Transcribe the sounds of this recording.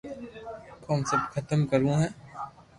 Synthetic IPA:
kɔːnsɐbkʰɐt̪əmkɐɾũɦɛ̃ː

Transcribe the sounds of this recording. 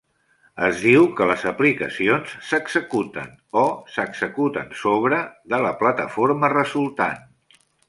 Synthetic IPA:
əzðiwkələzəplikə̰sionsːəɡz̥əkut̪ə̰n | osəɡzəkut̪ənsoβ̞ɾəðələplət̪ə̰foɾmərəzulˠt̪a̰n

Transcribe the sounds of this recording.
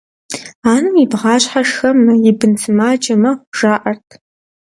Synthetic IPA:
aːnɨmibʁɑːɕʼħaʂxɐmɐjɪbɨnsɨmaːd͡ʒɐmɐʒ̥aːʔɐrtʰ

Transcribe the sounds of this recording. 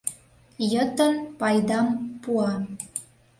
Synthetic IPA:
jət̪ə̆npɑjd̪ɑmpuɑ

